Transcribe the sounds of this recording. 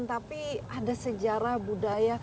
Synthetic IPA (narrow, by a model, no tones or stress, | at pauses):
nt̪apiadasəd͡ʒaɾahbudaja